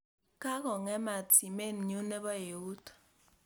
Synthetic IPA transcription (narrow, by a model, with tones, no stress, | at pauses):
ka˦kɔ˨ŋɛ˦ma˨tsi˨me˦˨n̩˨ɲu˦ne˦bɔ˦e˨u˦t